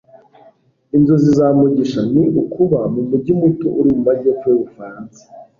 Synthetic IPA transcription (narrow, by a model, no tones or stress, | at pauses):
inzozizaːmuɟiʃaniʔukʰuβamumuɟimutoʔuɾimumaɟefueβufaɾaːnse̥